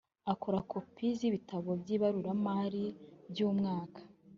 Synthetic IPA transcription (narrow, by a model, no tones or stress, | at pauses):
ako̞ɾako̞piziβitaβo̞bjiːβaɾuɾamaɾibjuːmŋaːkʰḁ